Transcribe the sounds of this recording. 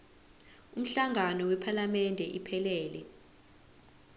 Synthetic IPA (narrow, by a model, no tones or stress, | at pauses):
um̩ɬaŋanɔwɛpʰalamɛndʱɛʔipʰɛlɛːlɛ